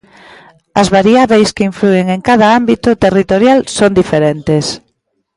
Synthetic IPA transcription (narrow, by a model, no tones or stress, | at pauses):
ɐzβaɾiaβejskeiɱflueŋeŋkaðɐambit̪ʊt̪erit̪oɾjalsond̪ifeɾent̪es